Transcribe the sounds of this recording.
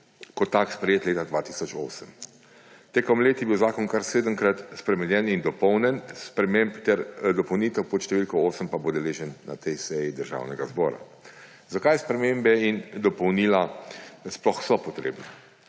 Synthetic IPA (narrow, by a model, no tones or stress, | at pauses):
kɔt̪ːakspɾɛjeːt̪leːt̪ad̪ʋat̪i̥sɔt͡ʃo̰ːsəm | t̪eːkɔmleːt̪jɛbiwzaːkɔnkaɾseːd̪əŋkɾat̪spɾɛmɛnjɛnind̪ɔpɔwnɛnspɾɛmempt̪ɛɾd̪ɔpɔwniːt̪əwpɔt̪ʃt̪ɛʋilkɔoːsəmpabod̪ɛleːʒənːa̰t̪ɛjsɛjid̪əɾʒa̰ːwnɛɡazbɔːɾa̰ | zakajspɾɛmembɛind̪ɔpɔwniːlasplɔxsɔpɔt̪ɾḛːbnɛ